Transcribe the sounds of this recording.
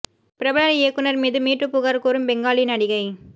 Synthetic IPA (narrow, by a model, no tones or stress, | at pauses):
pɪɾɐbɐlɐleːkːɯnɐɾmiːðɯmiːʈrɯpʊɣaːɾkoːɾɯmbɛŋɡaːɭinɐɽɪɣɐɪ